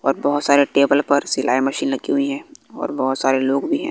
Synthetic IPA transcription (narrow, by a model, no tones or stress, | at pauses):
ɔːɾbɔɦʊt̪saːɾeʈeːbəlpɐɾsɪlʔaːimɐʃiːnlɐɡiɦʊiɦɛ̃ːɔ̰ːɾbɔɦʊt̪saːɾeloːɡbʱiɦɛ̰̃ː